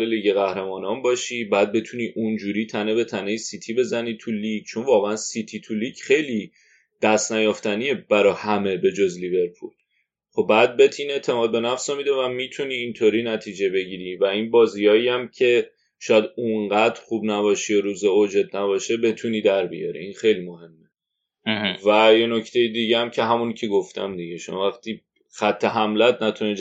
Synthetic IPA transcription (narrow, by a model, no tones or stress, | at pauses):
leliɟeɣæhɾemɒːnɒːnbɒːʃibæːd̪̚be̞t̪ʰuniʔund͡ʒuːɾiːt̪ʰænebe̞t̪ʰænejisit̪ʰibe̞zæniːt̪ʰuliɟt͡ʃʰonvɒːɣeænsit̪ʰit̪ʰuliːɟχe̞jliː | d̪̥æst̪næjɒft̪ænijeb̥æɾɒːhæme̞be̞d͡ʒozlive̞ɾpʰṵl | χobæd̪̚bet̪ʰiːne̞ʔt̪ʰe̞mɒːd̪̚be̞næfsɒmid̪evæmiːt̪ʰuniːnt̪ʰoːɾiːnæt̪ʰiːd͡ʒe̞be̞ɟiːɾivæinbɒːziɒːiæmcʰe̞ | ʃɒːjæd̪uŋɢæd̪ɾxubnæβɒːʃijɒɾuːzeod͡ʒe̞d̪̚næβɒːʃebe̞t̪ʰuniːd̪æɾbḭjɒ̰ɾḭinxe̞jliːmo̞he̞mːe | væjenocʰt̪ʰe̞jid̪iɟeæmcʰe̞ɦæmuncʰeɡoft̪ʰæ̰md̪iɟeʃomɒ̰væxt̪ʰiː | xæt̪ʰːe̞ɦæmlæt̪̚ʰnæt̪ʰune